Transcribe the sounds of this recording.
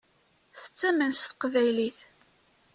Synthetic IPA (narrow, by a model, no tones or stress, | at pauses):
θə̥t͡sːæmənst̪qvæjliθ